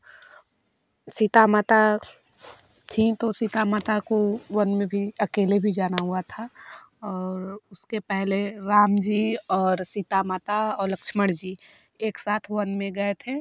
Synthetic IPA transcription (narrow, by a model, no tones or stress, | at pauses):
sit̪amaːt̪a | t̪ʰĩt̪osit̪amaːt̪akowɐnmẽbʱiɐkeːlebʱid͡ʒaːnaɦuat̪ʰa | ɔːɾʊskepɛɦleɾaːmd͡ʒiːɔːɾsit̪amaːt̪aɔːɾlɐkʃməɽd͡ʒiː | eːksaːt̪ʰʋɐnmẽɡɐet̪ʰeː